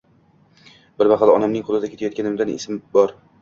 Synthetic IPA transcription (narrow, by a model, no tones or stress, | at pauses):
bɪɾbɑqʰɑd̪ɒnamnɪŋqʰʊlɪd̪akʲet̪ʰajɒt̪kʲʰanɪmd̪anɪ̰smbɒɾ